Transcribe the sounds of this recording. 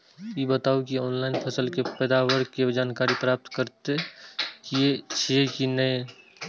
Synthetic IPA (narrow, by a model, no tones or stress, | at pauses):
ibət̪aːukiɔːnlaɪnpʰəsəlkepɛːd̪aʋəɾ̚ked͡ʒaːnkaːɾipɾaːp̚t̪kəɾt̪ekiet͡ʃʰiekinəẽ